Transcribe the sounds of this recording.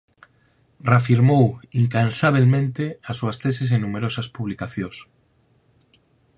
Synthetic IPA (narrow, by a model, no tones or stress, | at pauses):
rafiɾmowiŋkansaβ̞elmẽnt̪easuast̪eses̬ennumeɾosaspuβlikaθjõs